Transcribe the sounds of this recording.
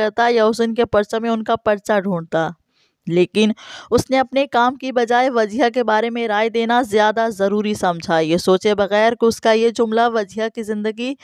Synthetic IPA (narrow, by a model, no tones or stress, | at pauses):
ɐɾt̪ajaʊsɪnkepɐɾt͡ʃamẽʊnkapɐɾt͡ʃaɖʱũːɳt̪aː | leːkɪnʊsneɐpnekaːmkibɐd͡ʒaːeʋɐd͡ʒiɦak̬ebaːɾemẽɾaːed̪eːnazjaːd̪azɐɾuːɾisɐmd͡ʒʱajesoːt͡ʃebɐɣɛːɾkʊskajed͡ʒʊmlaʋɐd͡ʒiɦakizɪ̃nd̪əɡi